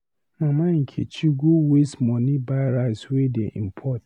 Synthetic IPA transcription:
mãmãŋ̩kʰḭt͡ɕʰiɡuwesmɔ̃nĩbaɾaswedeʔḭm̩pʰɔt̚

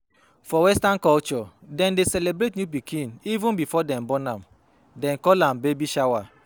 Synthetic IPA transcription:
fɔwɛstãnkɔlt͡ʃɔdɛ̃ndesɛlebɾetnjup̬ikʰĩnivũnbifɔdɛ̃mbɔnãm | dɛ̃nkɔlãmbebiʃawa

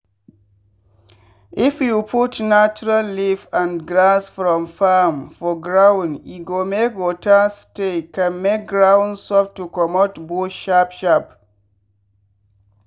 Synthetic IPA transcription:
ʔifjupʰutnat͡ʃuɹalːifãnɡɹasfɹɔ̃mfamfɔɡɹãwniɡomekwotastekãnmek̚ɡɹãwnsɔf̚tukɔmɔtbuʃapʃap

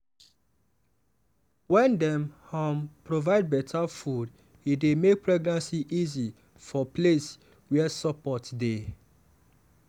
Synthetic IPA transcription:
wɛ̃ndɛ̃mhɔmpɹovaɪd̚bɛtʰafud | idemek̚pɹɛɡnãnsiʔizi | fɔples | wɛsɔpɔtde

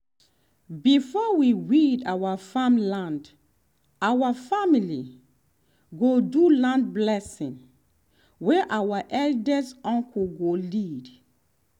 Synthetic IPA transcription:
bifɔwiwidawafamlãnd | awafamili | ɡodulãndblɛsĩn | wɛʔawaʔɛldəzɔ̃ŋkʰuɡolid

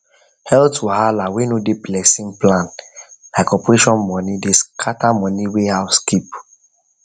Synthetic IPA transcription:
hɛltʰuhalawenodeplɛsĩŋplãnlaɪkɔpɹeʃɔ̃nmɔ̃nideskʰatamɔniwehaskip

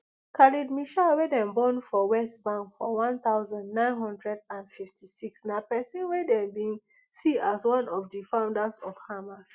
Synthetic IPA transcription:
kʰalidmiʃawedɛ̃mbɔ̃nfɔwɛstbãŋkfɔwãnt̪aʊzãndnãɪ̃nɦɔ̃ndɹɛdãnfiftisiksnapɛsĩnwedɛ̃mbĩŋ | siaswɔ̃nɔfdifãʊ̃ndasɔfhamas

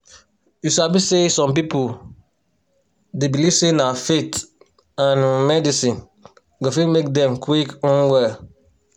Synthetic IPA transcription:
jusabisesɔ̃mpipo | debiliv̥senafet | ãnmɛdisĩn | ɡɔfĩmek̚dɛ̃mkʰwikɔ̃nwɛ

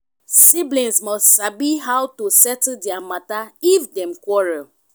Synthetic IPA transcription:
siblĩnsmɔstsabiɦawtusɛtdɛamataifdɛ̃mkwɔɹɛl

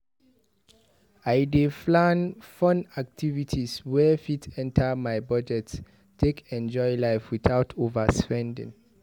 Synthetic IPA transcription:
aɪdeflãnfɔ̃nak̚tʰivitʰiswɛfitʰɛ̃ntʰəmajbɔd͡ʒɛts | tʰekɛ̃nd͡ʒɔjlaɪfwiθawtʰovəspɛ̃ndḭ̃ŋ

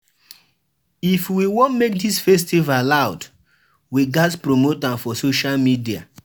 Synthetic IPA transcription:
ifwiwɔ̃nmek̚disfɛstivalaʊd | wiɡaspɹomotãmfɔsoʃalmidia

